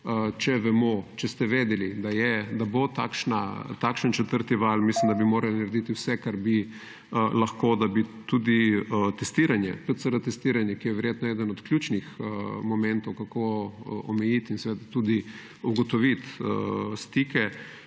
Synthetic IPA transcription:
ət͡ʃɛʋɛmot͡ʃɛst̪ɛʋeːd̪ɛlid̪ajɛd̪abot̪aːkʃnat̪akʃənt͡ʃɛt̪əɾt̪iʋalmislimd̪abimoːɾalinɐɾed̪it̪iwsɛkaɾbi | əlaxkod̪abit̪ud̪iət̪ɛst̪iɾanjɛ̰pɾɛt̪səɾat̪ɛst̪iːɾanjɛkijɛʋɛɾjet̪nɔɛːd̪ənɔt̪kljut͡ʃnixəmɔmɛ̃nt̪ɔwkakoɔmɛjit̪insɛʋeːd̪at̪ud̪i | uɡɔt̪ɔʋit̪ə̰st̪ikɛ

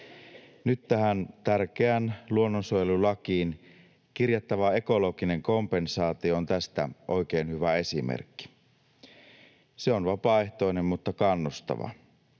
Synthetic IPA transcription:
nyt̪ːæhænt̪ærk̟eænluonːonsuojelulɑkiːn | kirjɑt̪ːɑʋɑe̞ko̞lo̞ɡine̞ŋko̞mpe̞nsɑːt̪ioont̪æst̪æ̰ʔo̞jke̞ːnhyʋæe̞simḛrkːi̥ | seonʋɑpɑe̞ht̪o̞ine̞mmut̪ːɑkɑnːust̪ɑ̰ʋɑ̰

